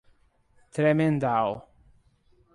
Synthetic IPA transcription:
t̪ɾemend̪aw

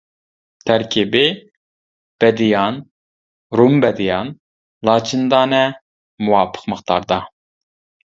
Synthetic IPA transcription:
t̪ʰæɾkʲʰibɪ | b̥ɛd̪ijɑn | ɾumbɛd̪ijɑn | lˠɑːt͡ʃʰind̪ɑːnɛ | muwɑːpʰə̥qməχt̪ʰɑ̰ɾd̪ɑ

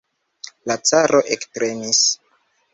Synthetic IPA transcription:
lat͡saɾʔo̞ʔektɾe̞nis

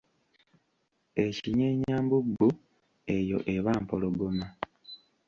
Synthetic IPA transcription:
e̞ciɲeːɲaːmbuɡːu | e̞jo̞̰ʔeβaːmpoloɡoma

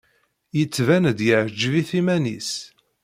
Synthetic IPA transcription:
jət͡sːvænd̪jəʕd͡ʒviθimænis

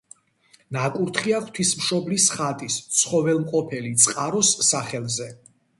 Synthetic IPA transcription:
nakʼuɾt̪ʰχiaχwt̪ʰismʃɔblisχat̪ʼist̪sʰχɔvɛlˠmqʼɔpʰɛlit̪sʼqʼaɾɔsːaχɛlˠzɛ

